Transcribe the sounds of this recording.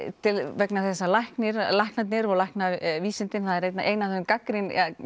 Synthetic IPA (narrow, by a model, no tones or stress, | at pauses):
t̪ʰɪlvɛknaθɛs̬ːalajhknɪɾlajhknat̪nɪɾɔɣlajhknaviːsɪnt̪ɪnθaðɛɾejt̪naʔejnaθɛʏmkakɾɪna